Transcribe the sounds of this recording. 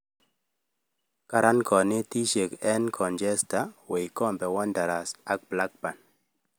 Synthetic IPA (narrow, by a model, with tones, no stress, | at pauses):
ka˦ɾa˦nkɔ˨nɪ˦ti˦ʃe˨kɛ˦nkʰɔ˨nd͡ʒɛ˦sta˨˦we˨i˨kɔ˦˨mbɛ˨wɔ˦nda˨ɾa˨sa˦k̚bla˦k̚pa˨n